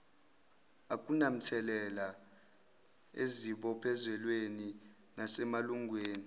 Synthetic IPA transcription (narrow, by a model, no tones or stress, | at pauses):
ak̬ʼunam̩t͡sʰɛlɛla | eziɓɔpʰɛzɛlweni | nasɛmaluŋʱweːni